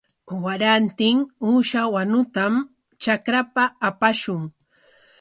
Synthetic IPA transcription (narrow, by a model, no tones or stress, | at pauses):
waɾant̪ɪŋuːʃawanʊt̪am | t͡ʃakɾapaːpaʃʊŋ